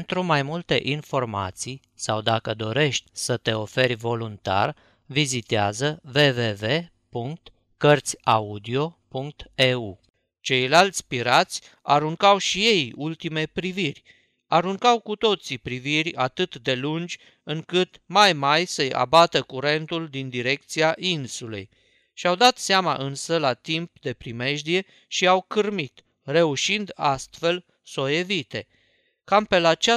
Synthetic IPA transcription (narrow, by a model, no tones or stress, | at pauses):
nt̪ɾumajmult̪e̞ʔinfo̞rma̰t̪sij | sawd̪akəd̪o̞ɾe̞ʃt̪ʲsət̪e̞o̞fe̞ɾʲvo̞lunt̪a̰r | vizit̪eazəve̞ve̞ve̞ | puŋk̚t̪ | kərt̪sʲaud̪io̞puŋk̚t̪eu | t͡ʃe̞jlalt̪sʲpiɾat̪sʲ | a̰ɾuŋkawʃije̞jult̪ime̞pɾivirʲ | aɾuŋkawkut̪o̞t̪sipɾivirʲa̰t̪ɨt̪d̪e̞lund͡ʒʲ | ɨŋkɨt̪majmajsəja̰bat̪əkuɾe̞nt̪uld̪ind̪iɾe̞kt̪siaʔinsulḛj | ʃiawd̪at̪seama̰ʔɨnsəlat̪imp̚d̪e̞pɾime̞ʒd̪ie̞ | ʃiawkɨrmit̪ | re̞uʃind̪ast̪fe̞l | so̞e̞vit̪e̞ | kampelat͡ʃa